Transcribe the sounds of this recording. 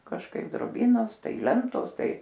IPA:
kɐʃˈkɐɪp droːˈbʲiːnoːs ˈtɐɪ ˈlʲɛntoːs ˈtɐɪ

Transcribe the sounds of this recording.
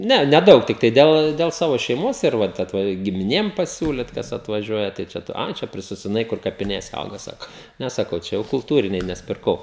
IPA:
ˈnʲɛ nʲɛˈdɐʊk tʲɪkˈtɐɪ ˈdʲɛlˠ dʲɛlˠ ˈsɑːʋoː ʃʲɛɪˈmoːs ɪr ˈʋɐt ˈɑːtʋɐ ɡʲɪmʲɪˈnʲeːm pɐˈsʲuːlʲɪt kɐs ɐtʋɐˈʒʲuɔjɛ tɐɪ ˈt͡ʃʲɛ ˈɐ ˈt͡ʃʲɛ pʲrʲɪsʲɪsoːdʲɪˈnɐɪ kʊr kɐpʲɪˈnʲeːsʲɛ ˈɐʊɡɐ ˈsɑːkoː ˈnʲɛ sɐˈkɐʊ ˈt͡ʃʲɛ jɛʊ kʊlˠˈtuːrʲɪnʲɛɪ nʲɛs pʲɪrˈkɐʊ

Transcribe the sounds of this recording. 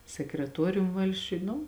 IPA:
sʲɛkrʲɛˈtuɔrʲʊm ˈʋɐlʲsʲt͡ʃʲʊj ˈnʊ

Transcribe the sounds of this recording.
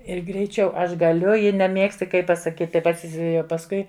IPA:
ɪr ɡrʲɛɪˈt͡ʃʲɛʊ ˈɐʃ ɡɐˈlʲʊ jɪ nʲɛˈmʲiɛksʲtʲɪ ˈkɐɪ pɐsɐˈkʲiːtʲɪ ˈpɐts pɐsˈkʊɪ

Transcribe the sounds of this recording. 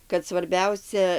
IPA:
kɐt sʋɐrʲˈbʲɛʊsʲɛ

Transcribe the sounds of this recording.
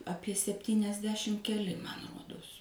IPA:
ˈɑːpʲiɛ sʲɛpʲtʲiːnʲɛzʲˈdʲæːʃʲɪm kʲɛˈlʲɪ mɐn ˈruɔdoːs

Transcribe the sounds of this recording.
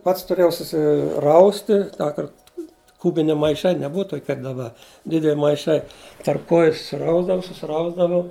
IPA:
ˈpɐts tʊˈrʲeːjɛʊ sʊsʲɪˈrɐʊsʲtʲɪ ˈtɑːkɐrt ˈkʊbʲɪnʲɪ mɐɪˈʃɐɪ nʲɛˈbʊʋɐ ˈtoːkʲɪ kɐp dɐˈbɐ ˈdʲɪdʲɛlʲ mɐɪˈʃɐɪ tɐrp kˈoːjʊ ˈrɐʊzdɐʋɐʊ sʊsʲɪˈrɐʊzdɐʋɐʊ

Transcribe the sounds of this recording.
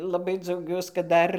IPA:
lˠɐˈbɐɪ d͡zɐʊˈɡʲuɔs kɐt ˈdɐr

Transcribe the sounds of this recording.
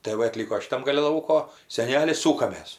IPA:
tɜ ˈʋɐ ɐˈtʲlʲiːkoː ʃʲɪˈtɐm ɡɐˈlʲɪ ˈlˠɐʊkoː sʲɛˈnʲæːlʲɪ ˈsuːkɐmʲeːs

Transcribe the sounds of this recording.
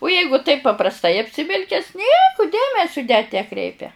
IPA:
ʊ ˈjɛɪɡʊ tɐɪp pɐprɐsˈtɐɪ ɐpʲsʲɪˈʋʲɪlʲkʲɛs ˈnʲiɛkʊ ˈdʲeːmʲɛsʲʊ nʲɛt nʲɛˈkrʲɛɪpʲɛ

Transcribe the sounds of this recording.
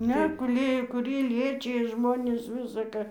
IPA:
ˈnʲɛ ɡʊˈlʲeːjoː kʊˈrʲiɛ ˈlʲiɛt͡ʃʲɪjɛ ˈʒmoːnʲɪs ˈʋʲɪsɐ kɐ

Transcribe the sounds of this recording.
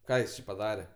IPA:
ˈkɑː jɪs t͡ʃʲɪ pɐˈdɑːrʲɛ

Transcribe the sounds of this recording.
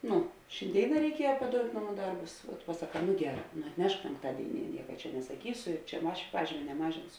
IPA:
ˈnʊ ʃʲɪnʲˈdʲeːɪnɐ rʲɛɪˈkʲiɛjɛ pɐˈdoːʊtʲ ˈnɑːˌmuː ˈdɐrbʊs pɐsɐˈkɑː nʊ ˈɡʲæːˌrɑː nʊ ɐtʲˈnʲɛʃk pʲɛŋkˈtɑːdʲeːɪˌnʲiɛ ˈnʲiɛkɐ t͡ʃʲɛ nʲɛsɐˈkʲiːsʊ ɪ t͡ʃʲɛ ˈɐʃ ˈpɑːʒʲiːmʲeː nʲɛˈmɑːʒʲɪnsʊ

